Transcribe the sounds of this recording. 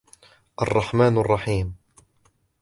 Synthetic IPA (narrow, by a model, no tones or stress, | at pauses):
ʔɑ̰rˤːɑħmaːnɑrˤːɑħiːm